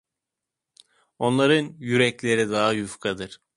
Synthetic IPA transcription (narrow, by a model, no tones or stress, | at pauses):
o̞nlˠaɾɯnjyɾɛclʲe̞ɾid̪aɦajufkʰad̪ɯɾ̥